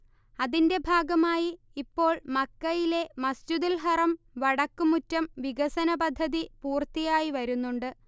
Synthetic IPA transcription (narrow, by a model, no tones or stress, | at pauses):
ɐðinde̞bʱaːɡɐmaːjiː | pːo̞ːɭmɐkːɐjile̞mɐstuðɐlɦɐrɐm | ʋɐɽɐkːumutːɐmʋiɡɐsɐnɐbɐd̪ʱːɐðipuːrt̪ijaːjiʋɐɾunːuɳɖɨ